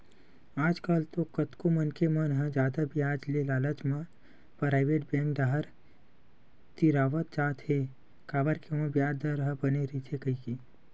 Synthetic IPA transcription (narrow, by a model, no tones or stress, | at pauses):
aːd͡ʒkaːlt̪okɐt̪komənkemənɦə̃d͡ʒaːd̪abijaːd͡ʒlelaːlət͡ʃmã | pɾaːɪʋeːʈ̚bjɛ̃ːŋkɖaɦəɾ | t̪iɾaːʋət̪̚d͡ʒaːt̪ɦe | kaːbəɾkemɐ̃bjaːd͡ʒd̪əɾɦəbɐneɾit̪ʰekəikiː